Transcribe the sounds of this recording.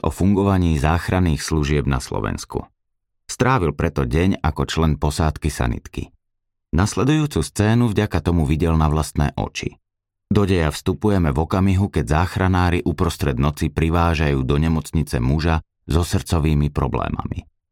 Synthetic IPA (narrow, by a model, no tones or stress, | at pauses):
ɔ̰fuŋɡɔʋaɲiːzaːxɾaniːxsluʒɪɛbna̰slɔ̰ʋɛ̰nskṵ | st̪ɾaːʋilpɾɛt̪ɔɟɛɲakɔt͡ʃlɛnpɔsaːt̪kisa̰nḭt̪kḭ | naslɛd̪ujuːt͡sust͡sɛːnuvɟakat̪ɔmuvʋiɟɛlnaʋlast̪nɛ̰ːʔɔ̰t͡ʃḭ | d̪ɔɟɛjafst̪upujɛmɛvɔkamiɦukɛɟzaːxɾanaːɾiʔupɾɔst̪ɾɛd̪nɔt͡sipɾiʋaːʒajuːd̪ɔɲɛmɔt͡sɲit͡sɛmuʒa | zɔsr̩t͡sɔʋiːmipɾɔ̰blɛ̰ːma̰mḭ